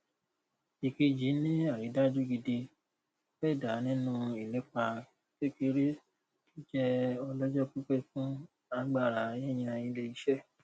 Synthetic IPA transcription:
i˨ke˧d͡ʒi˨˦nĩ˦a˦˨ɾi˨˦da˦d͡ʒu˦ɡi˧de˧ | fɛ˦˨da˨˦nĩ˦nũ˦i˨lɛ˨˦k͡pa˧ | ke˦˨ke˧ɾe˦ | ki˦d͡ʒɛ˦ɔ˧lɔ˦d͡ʒɔ˦ku˦k͡pɛ˦fũ˦ | a˧˦ɡ͡ba˦˨ɾa˨˦jɛ̃˦˨j̃ĩ˧a˧jĩ˧˦le˧i˧˦ʃɛ˦˨

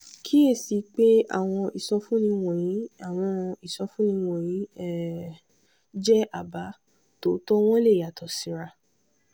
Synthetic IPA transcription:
kʰi˦e˦˨si˨˦k͡pe˦a̰˦˨w̃ɔ̃˧ʔi˨sɔ˧fũ˦nĩ˧w̃ɔ̃˨jĩ˨˦a˦˨w̃ɔ̃˧i˨sɔ˧fũ˦nĩ˧w̃ɔ̃˨j̃ĩ˨˦ɛ˦˨ | d͡ʒɛ˦ʔa˨ba˨˦ | to˨˦tɔ˦w̃ɔ̃˦le˦˨ja˨tɔ˨sĩ˨˧ɾa˧

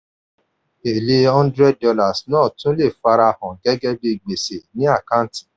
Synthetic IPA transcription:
e˨le˧ɔ̃˦ndɾɛ˦dɔ˧la˨snɔ̃ː˦˨tũ˦le˦˨fa˧ɾa˧hɔ̃˨ɡɛ˨˦ɡɛ˦bi˧ɡ͡be˨se˨nĩ˨˦a˦˨ka˦n˦tĩ̥˨

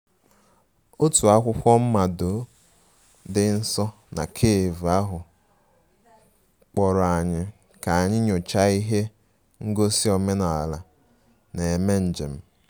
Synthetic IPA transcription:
o˦tu˨a˦kʷʊ˦kʷɔ˦m̩˦ma˨do˨˦ | dɪ˦n̩˦sɔ˦ | na̰˨kʰeː˦˨vu˨a˦ɦʊ˨ | k͡pɔ˨ɾʊ˨a˨ɲɪ˦ | ka˨a˨ɲɪ˦ɲo˨t͡ʃa˦i˦ɦe˦ | ŋ̩˦ɡo˦si˦o˨me˦na˨a̰˨la˨ | ne˨e˨me˦n̩˨d͡ʒe˨m̩˦

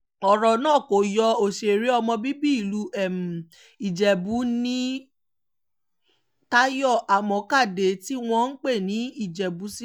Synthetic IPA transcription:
ɔ˨ɾɔ˨nãː˦˨ko˨jɔ˧o˨ʃe˨e˨ɾi˨˦ɔ˧mɔ̃˧bi˦bi˦i˦˨lu˨˦ɛ˦˨m˨ | i˨d͡ʒɛ˨bu˨˦nĩ˦ | ta˦jɔ˦˨ʔa˨mɔ̃˨˧˦ka˦˨de˨˦ti˦w̃ɔ̃˧n̩˦k͡pe˦˨nĩ˨˦i˦˨d͡ʒɛ˨bu˨˦si˦

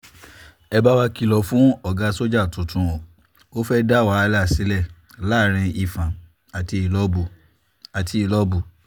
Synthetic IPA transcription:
ɛ˧ba˦wa˧ki˧˨lɔ˨fũ˦ɔ˦˨ɡa˧so˦d͡ʒa˦˨tũ˨tũ˧o˨ | o˦fɛ˦da˦˨wa˨˦˧la˦˨si˨˦lɛ˦˨ | la˦˨ɾ̃ĩ˧i˧˨fã˨ | a˨ti˧i˨lɔ˦bu˨ | a˨ti˧i˨lɔ˦bu˨

